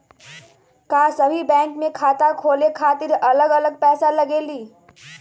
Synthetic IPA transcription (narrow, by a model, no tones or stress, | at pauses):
kasəbʱibɛ̃ːŋkmekʰaːt̪akʰoːlekʰaːt̪iɾələɡələɡ̚pɛːsaləɡeːliː